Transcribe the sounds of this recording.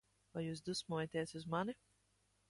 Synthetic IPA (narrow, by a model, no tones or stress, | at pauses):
vajuːs̬d̪usmuːjat̪iɛsuzmani